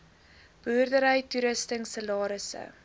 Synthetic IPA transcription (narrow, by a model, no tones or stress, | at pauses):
b̥œːrdəɾəjtuɾəstəŋsəlɑːɾəsə̰